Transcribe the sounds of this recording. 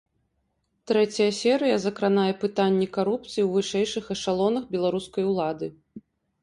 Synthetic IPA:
t̪ɾɛt͡sʲɐjɐsʲɛɾɨjɐzɐkɾanajɛpɨt̪anʲːikaɾup̚t̪sɨjiwvɨʂɛjʂɨxɐʂalˠɔnɐxbʲɛlˠaɾuskɐjwlˠad̪ɨ

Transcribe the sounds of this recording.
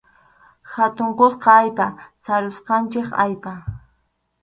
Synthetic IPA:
xat̪ʊɴqosqɑajpasaɾʊsqɑnt͡ʃɪka̰jpa

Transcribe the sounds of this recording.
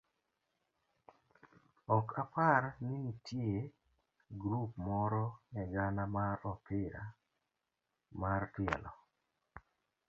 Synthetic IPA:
ɔkʰapaɾninitʰje | ɡɾupmɔɾɔnɛɡanamaɾɔpɪɾa̰ | martɪɛ̰lɔ

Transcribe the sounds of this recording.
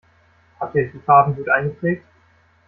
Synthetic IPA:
hatiːdiːfaːbn̩ɡuːtʔaɪnɡəpʁ̥ɛːk̚t

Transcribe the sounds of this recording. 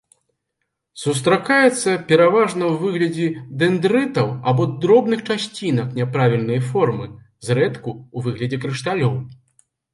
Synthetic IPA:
sus̬t̪ɾakajɛt̪sːɐpʲɛɾavaʐnɐwvɨɣlʲɐd͡zʲid̪ɛnd̪ɾɨt̪ɐwabɔd̪ɾɔbnɨxt͡ʂasʲt͡sʲinɐknʲɛpɾavʲilʲnɨjfɔrmɨ | zɾɛt̪kuːvɨɣlʲɐd͡zʲɛkɾɨʂt̪alʲɔw

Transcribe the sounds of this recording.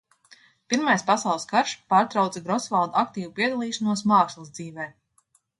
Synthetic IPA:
piɾmajspasɑwlˠskaɾʃpaːɾt̪ɾawt̪sɛɡɾɔsvalˠd̪uak̚t̪iːvupiɛd̪alˠiːʃanuɔsmaːkslˠɨzd̪ziːvɛː

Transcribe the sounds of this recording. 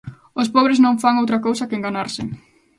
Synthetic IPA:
ospɔβɾeznõɱfaŋowt̪̬ɾɐkowsɐkeŋɡanaɾsɪ

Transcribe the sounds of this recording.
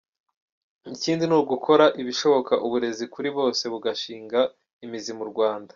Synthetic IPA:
niciːndinuɾɡukʰo̞ɾaʔiβiʃo̞βo̞kaʔuβuɾe̞zikuɾiβo̞ːse̞βuɡaʃiːŋɡa | imizimuɾɡwaːndḁ

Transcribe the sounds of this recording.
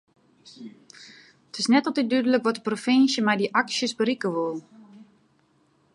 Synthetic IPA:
ətɪsnɛtɔlˠtit̚dydələkʋɔtə̥profinsjəmɛjdiʔaksjəsbəɾikəʋolˠ

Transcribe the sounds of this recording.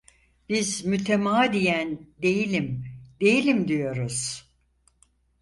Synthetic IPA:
b̥izmyt̪ʰemaːd̪ijænd̪e̞jilʲimd̪e̞jilʲimd̪ijo̞ɾuz̥

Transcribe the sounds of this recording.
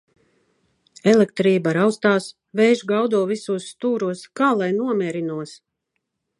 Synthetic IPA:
ɛlek̚t̪ɾiːbaɾawst̪aːs | vɛjʒɡawd̪uɔvisuːsːt̪uːɾuɔskaːlˠajnuɔmʲɛːɾinuɔs

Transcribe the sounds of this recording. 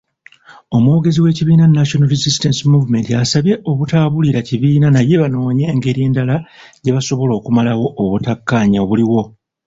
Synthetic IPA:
o̞moːɡe̞ziwe̞ːciβiːnanːaʃonaɾizistensimuvume̞ntiasaβje̞ʔo̞βutaːβuliɾaciβiːnanaje̞βano̞ːɲe̞ːŋɡe̞ɾje̞ːndalaɟe̞βaso̞βo̞lo̞ːkumalawo̞ʔːβutakːaːɲaoβuliwo̞

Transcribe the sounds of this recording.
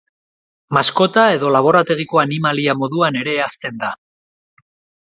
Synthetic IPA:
masko̞t̪ae̞ðo̞laβ̞o̞ɾat̪e̞ɣ̞iko̞animaliamo̞ðuane̞ɾe̞ːast̪e̞nd̪a

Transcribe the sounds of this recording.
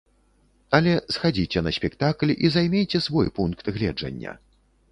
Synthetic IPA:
ɐlʲɛsxad͡zʲit͡sʲɛnɐsʲpʲɛkt̪aklʲizajmʲejt͡sʲɛsvɔjpunkt̪ɣlʲɛ̰d͡ʐɐ̰nʲːɐ̰

